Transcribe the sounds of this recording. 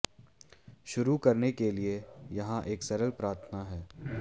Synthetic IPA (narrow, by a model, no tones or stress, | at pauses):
ʃʊɾukɐɾnekeliejɐɦãʔeːksɐɾəlpɾaːɾt̪ʰənaɦɛː